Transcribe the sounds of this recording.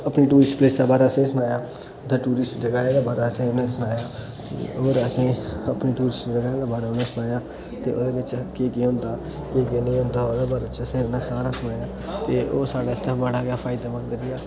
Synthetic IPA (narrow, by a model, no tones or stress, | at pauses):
əpniːʈuːɾɪsʈpleːsd̪aːbaːɾaːəsĩːsənaːjaː | d̪əʈuːɾɪsʈd͡ʒəɡaːjãːd̪eːbaːɾaːəsĩːʊnẽːsənaːjaː | oɾəsĩːəpniːʈuːɾɪsʈd͡ʒəɡaːjːd̪eːbaːɾeːʊnẽːsənaːjaː | t̪eːʔo̰ːd̪eːbɪt͡ʃkeːkeːɦʊ̃nd̪aː | keːkeːnẽːɦʊ̃nd̪aːod̪eːbaːɾeːt͡ʃseɾnẽːsaːɾaːsʊnaːjaː | t̪eːʔoːsaːɽaːɪst̪əbəɽaːɡjaːpʰaːɪid̪aːmənd̪əɾɪjaː